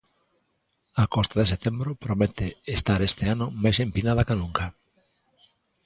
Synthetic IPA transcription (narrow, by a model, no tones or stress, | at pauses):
akɔst̪aðeset̪embɾopɾomet̪eest̪aɾest̪eanʊmajsempinaðakanũŋka